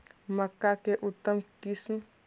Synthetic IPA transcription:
məkːakeʔut̪ːəmkism

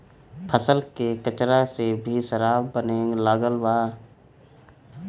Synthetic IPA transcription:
pʰəsəlkekət͡ʃɾasebʱiʃəɾaːbbənẽːŋɡlaɡəlwaː

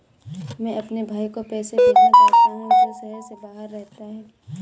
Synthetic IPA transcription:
mɛ̃ʔɐpnebʱaːikopɛːsebʱid͡ʒaaanɐd͡ʒosɛɦəɾsebaːɦəɾːɛɦt̪aɦɛː

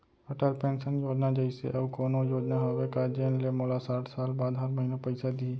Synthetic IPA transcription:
əʈəlpẽːnsənjoːd͡ʒnad͡ʒəɪsḛʔɐbkoːnõjoːd͡ʒnaɦoːʋekad͡ʒənlemoːlasaːʈʰsaːlbaːd̪ɦəɾməɦinopəɪsad̪i

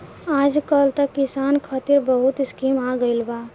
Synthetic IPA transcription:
aːd͡ʒkəlt̪əkːisankʰət̪iɾbəɦut̪ɪskimaɡəɪlba

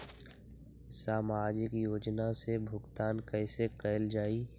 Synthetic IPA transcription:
saːmaːd͡ʒɪkjoːd͡ʒnasebʱʊɡt̪aːnkɛːsekəɪld͡ʒaːiː

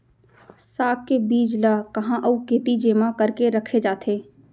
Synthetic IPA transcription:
saːkkebiːd͡ʒlakɐɦãʔəukeːt̪id͡ʒeːmãkəɾkeɾəkʰed͡ʒaːt̪ʰeː

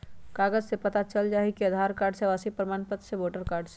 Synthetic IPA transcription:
kaːɡəd͡ʒsepət̪at͡ʃəld͡ʒaːɦikiəd̪ʱaɾkaːɾɖseʋasipɾəmanpət̪ːseʋoːʈəɾkaːɾɖse

